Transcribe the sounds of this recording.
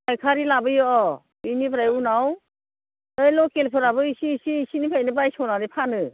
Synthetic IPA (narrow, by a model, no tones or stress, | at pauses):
ajkʰaɾilabɯjɔʔɔ | binibʰɾajunaw | ɯjlɔkelpʰɯɾabɯisisiːsinipʰajnɯbajsɔnaɾipʰanɯ